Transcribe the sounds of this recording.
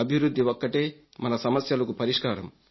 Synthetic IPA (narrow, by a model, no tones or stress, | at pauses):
ɐbʱiʋɾud̪ʱːiʋokːɐʈeː | mɐnɐsɐmɐsjɐlɐkupɐɾiʂkaːɾɐm